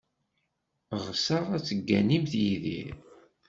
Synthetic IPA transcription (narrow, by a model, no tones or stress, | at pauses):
ʁsɑʁæt͡sːəɡːænimθjiðḭ